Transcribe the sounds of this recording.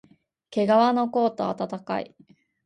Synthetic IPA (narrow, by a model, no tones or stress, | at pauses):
ke̞ɡaβano̞ko̞ːt̪o̞a̰t̪at̪aka̰ḭ